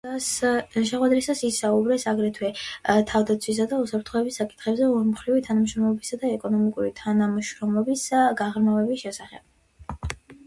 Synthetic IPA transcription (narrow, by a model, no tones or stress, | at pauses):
ʃɛχwɛd̪ɾisasisaubɾɛsaɡɾɛt̪ʰwɛt̪ʰavd̪at̪sʰwis̬ad̪ausapʰɾt̪ʰχɔɛbisːakʼi̥t̪ʰχɛbzɛɔɾmχɾivit̪ʰanamʃɾɔmlɔbisad̪aɛkʼɔnɔmikʼuɾit̪ʰanamʃɾɔmlɔbisɡaʁɾmavɛbisʃɛsaχɛ̰b̥